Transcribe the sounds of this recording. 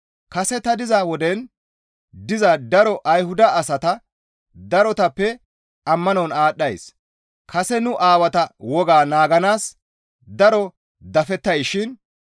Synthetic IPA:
kɐsɛt̪ɐd̪ɪzawɔd̪ɛn | d̪ɪzɐd̪ɐɾɔʔɐjɦʊd̪ɐʔːsɐt̪ɐ | d̪ɐɾɔt̪ɐpːɛ | ɐmːɐnɔwnaːɗːɐjs | kʰɐsɛnʊʔaːwɐt̪ɐwɔɡaːnaːɡɐnaːs | d̪ɐɾɔ | d̪ɐfɛt̪ːɐjʃɪn

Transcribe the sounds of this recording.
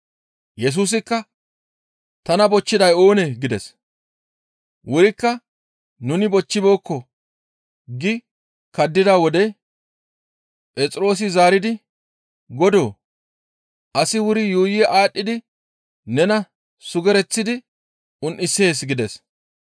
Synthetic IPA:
jɛs̬uːs̬ɪkːɐ | t̪ɐnɐbɔt͡ʃːɪd̪ɐjo̞ːnɛɡɪd̪ɛs | wʊɾɪkːɐ | nʊnɪbɔt͡ʃːɪbo̞ːkːɔ | ɡɪ | kɐd̪ːɪd̪awɔd̪ɛ | pʼɛt͡sʼɾo̞ːs̬ɪzaːɾɪd̪ɪ | ɡɔd̪o̞ː | ʔɐsɪwʊɾɪjuːjɪʔaːɗːɪd̪ɪ | nɛnɐ | sʊɡɛɾɛt͡sːɪd̪ɪ | ʊnʔɪsːeːsɡɪd̪ɛs

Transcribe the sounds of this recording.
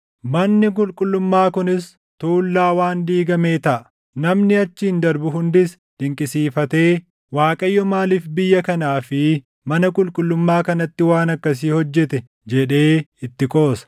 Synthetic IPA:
mɐnːɪk̬ʼʊlkʼʊlːʊmːaːkʊnɪs | t̪uːlːaːwaːnd̪iːɡɐme̞ːt̪ɐʔɐ | nɐmnɪɐt͡ʃːɪhɪnd̪ɐɾbʊɦʊnd̪ɪs | d̪̥ɪŋkʼɪsiːfɐt̪e̞ː | waːkʼɐjːɔmaːliːfbɪjːɐkɐnaːfɪ | mɐnɐkʼʊlkʼʊlːʊmːaːkɐnɐt̪ːɪwaːnɐkːɐs̬iːhɔd͡ʒːɛt̪ɛ | d͡ʒɛᶑe̞ːɪt̪ːɪkʼo̞ːsɐ̥

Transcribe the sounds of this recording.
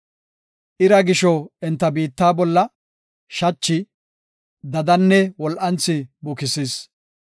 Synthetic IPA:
ʔɪɾɐɡɪʃɔɛnt̪ːɐbiːt̪ːaːbɔlːɐ | ʃɐt͡ʃːɪ | d̪ɐd̪ɐnːɛwɔlʔɐnt͡sːɪbʊkɪsɪs

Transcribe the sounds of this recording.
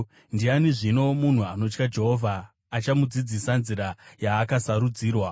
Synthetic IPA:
ndianiʐino̞mun̤uano̞t͡ʃkad͡ʒe̞ɦovʱaː | t͡ʃamud͡zid͡zisanziɾajaːkasaɾud͡ziːrwa

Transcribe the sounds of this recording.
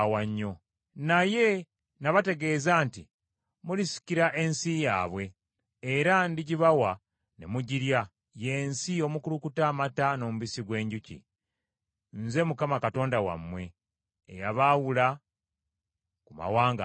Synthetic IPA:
waɲːo̞ | naje̞ | naβate̞ɡe̞ːzaːnti | mulisi̥ciɾaʔe̞nsija̰ːβwe̞ː | ɾandiɟiβawa | nemuɟiɾja | je̞ːnsio̞mukulukutaːmatano̞muβisiɡwe̞ːɲɟucḭ | nze̞mukamakato̞ːndawa̰mwe̞̰ː | jaβawula | kuma̰waːŋɡa̰

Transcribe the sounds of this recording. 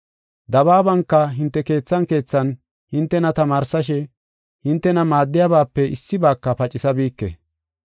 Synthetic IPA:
d̪ɐβaːbɐŋkːɐɦɪnt̪ːɛke̞ːt͡sːɐŋke̞ːt͡sːɐn | hɪnt̪ːɛnɐt̪ɐmaːɾsɐʃ̬ɛ | hɪnt̪ːɛnɐmaːd̪ːɪjabaːpːɛʔɪsːɪbaːkːɐpɐt͡ʃʼɪsɐbiːkːɛ̰

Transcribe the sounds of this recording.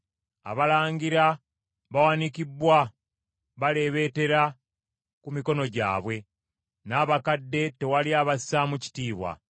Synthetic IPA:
a̰βalaːŋɡiɾa | βawanikibwa | βale̞βe̞ːte̞ɾa | kumiko̞no̞ɟa̰ːβwe̞ | naːβakadːe̞te̞waliaβasamuci̥tiːβwa̰

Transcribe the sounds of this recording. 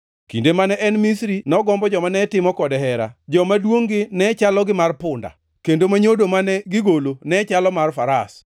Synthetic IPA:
kindemanɛʔɛnmisɾinɔɡɔmbɔd͡ʒɔmanɛtɪmɔkɔdɛɦɛɾa̰d͡ʒɔmadwoŋɡɪnɛt͡ʃalɔɡɪmarpʊnda̰ | kendomaɲodomanɛɡɪɡolonɛt͡ʃalɔmarfaɾas

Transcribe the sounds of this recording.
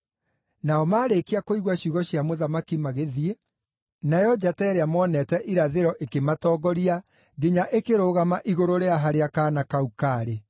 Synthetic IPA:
naɔmaːɾekeakoiɣwaɕuɣɔɕjamoðamakimaɣeðie | najɔd͡ʑatɛːɾeamɔːnɛtɛʔiɾaðeɾɔʔekematɔːɡɔɾia | ɡeɲaʔekeɾoɣamaʔiɣoɾoɾeaɦaɾeakaːnakaukaɾe

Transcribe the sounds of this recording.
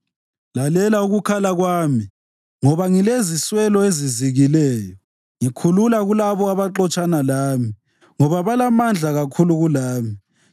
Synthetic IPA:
lalɛlauɣukʰalaɣwaːmi | ŋɔβaŋileziswɛlɔeziziɣilɛːjɔ | ŋikʰululaɣulaβɔaβaǁɔt͡ʃʼanalaːmi | ŋɔβaβalamand͡ɮʱaɣakʰuluɣulaːmi

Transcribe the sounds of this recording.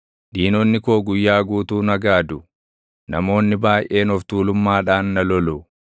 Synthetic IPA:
ᶑiːnɔnːɪkoːɡʊjːaːɡuːt̪uːnɐɡaːd̪ʊ | nɐmo̞ːnːɪbaːjʔe̞ːnɔft̪uːlʊmːaːᶑaːnːɐlɔlʊ

